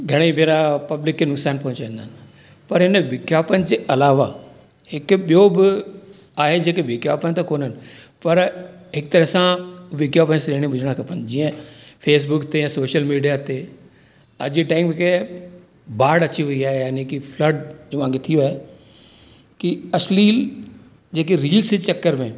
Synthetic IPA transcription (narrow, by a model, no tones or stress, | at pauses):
ɡʱɐɽ̃ebʱeːɾapɐblɪkːinʊksaːnpɐ̃ɦɲt͡ɕaĩnd̪aːnɪ̆ | pɐɾɦɪnəʋɪkjaːpənɪ̆d͡ʑeːʔɐlaːʋa | hɪkɓijobɪ | aːɦed͡ʑeːkeʋɪkja̰ːpənɪt̪akoːnənɪ̆pɐɾɦɪk̚t̪ɐɾəɦsãʋɪkjaːpənsɾeːɽ̃ĩbʱʊd͡ʑʱəɽ̃akʰɐpənɪ̆d͡ʑiːə̃feːs̬bʊkt̪eãsoːʃəlmiːɖijat̪e | ɐ̰d͡ʑiʈaːɪŋmẽke | baːɽɐt͡ɕiʋɐiaːɦejaːnĩkifləɖd͡ʑoːʋãːket̪ʰijoaːɦe | kiɐsliːl | d͡ʑeːk̬eɾiːlsɪt͡ɕɐkːəɾmẽː